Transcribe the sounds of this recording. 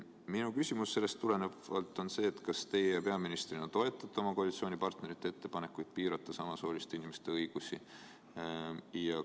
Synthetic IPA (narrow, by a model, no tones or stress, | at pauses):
minukysʲimusːe̞lːe̞st̪ːule̞neɑlt̪ːˑo̞nse̞ːt̪kɑst̪e̞jejɑpe̞ɑminist̪rinɑt̪o̞e̞t̪ːˑɑt̪eo̞mɑko̞ɑlit̪sio̞ːnipɑrt̪ne̞ɾit̪ːˑee̞t̪ːe̞pɑne̞kːˑujd̪̥̚piːɾɑt̪ːˑɑsɑmɑso̞ːlist̪einimest̪e̞ɤjɡ̥usʲi | jɑ